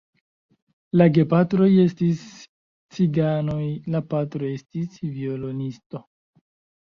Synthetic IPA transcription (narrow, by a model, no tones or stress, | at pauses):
laɡe̞patɾo̞je̞stis | t͡siɡano̞jlapatɾo̞e̞stisviolo̞nisto̞